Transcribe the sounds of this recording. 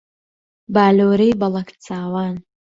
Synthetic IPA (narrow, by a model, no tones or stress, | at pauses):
baːloːɾejbɐlˠɐkt͡saːwaːn